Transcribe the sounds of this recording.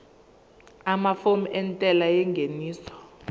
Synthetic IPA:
amafomɛntʼɛlajɛŋɡʱeniːsɔ̥

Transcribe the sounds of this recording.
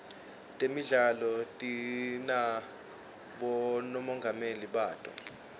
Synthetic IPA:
tʼemiɮalɔtʼina | ɓɔnɔmɔŋɡʱameliɓaːtʼɔ̰

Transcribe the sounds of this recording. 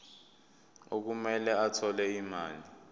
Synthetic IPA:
ok̬umɛlɛatʰɔlɛimaːli

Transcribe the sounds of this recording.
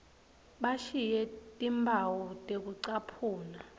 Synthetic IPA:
ɓaʃijɛtʼimbʱawɔtʼek̬uǀapʰuːna

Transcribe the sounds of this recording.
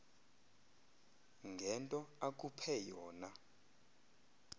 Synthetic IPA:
ŋɡʱɛntʼɔak̬ʼupʰɛjɔːna

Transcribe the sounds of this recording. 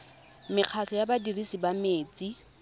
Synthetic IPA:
mɪq͡χʰat͡ɬʰɔjabadirisibameːt͡sʼi

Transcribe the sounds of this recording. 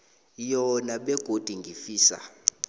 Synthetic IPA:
jɔnaɓɛɡ̥ʱod̥ʱiŋɡʱifiːsa̰

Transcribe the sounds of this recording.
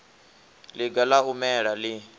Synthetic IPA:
liɡalaumɛːɺali

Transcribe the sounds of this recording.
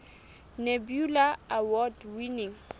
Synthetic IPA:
nebjulaawɔdwiniŋ

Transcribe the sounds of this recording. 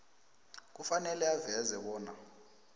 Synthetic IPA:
k̬ufanɛlɛavɛzɛɓɔːna

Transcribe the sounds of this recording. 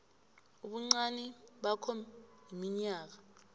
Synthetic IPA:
uɓuŋ͡ǀanɛɓakʰɔjimiɲaːk̬a

